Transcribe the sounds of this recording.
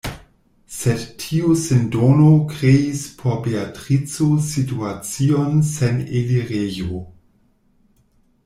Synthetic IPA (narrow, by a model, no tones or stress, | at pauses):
sedtʰiusendonokɾeispʰobeatʁit͡sosituat͡sionseneliʁejo